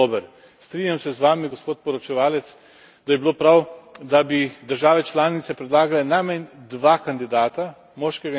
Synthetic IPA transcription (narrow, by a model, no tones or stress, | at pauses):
oːbəɾ | st̪ɾinʲjamsɛzʋaːmiɡospoːt̪̚pɔɾɔt͡ʃɛʋaːlɛt̪s | d̪ajɛbiloːpɾawd̪abid̪əɾʒaːʋɛt͡ʃlaːnit̪sɛpɾɛd̪laːɡalɛnamɛnd̪ʋaːkand̪id̪aːt̪a | mɔːʃkɛɡa